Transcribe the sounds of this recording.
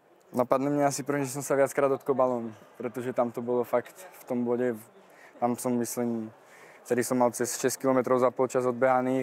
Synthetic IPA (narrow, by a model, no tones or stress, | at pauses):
napad̪nɛmɲɛasipr̩ʋiʒɛs̬ɔmsaʋɪat͡skɾaːd̪ɔt̪kɔbalɔːnpɾɛt̪ɔʒɛt̪amt̪ɔbɔlɔfakt̪ft̪ɔmblɔɟɛ | t̪amsɔmːisliːm | ft̪ɛd̪isɔmːalt͡sɛsʃɛsckilɔmɛt̪ɾɔʊzapɔlt͡ʃazɔd̪̚bɛɦaniː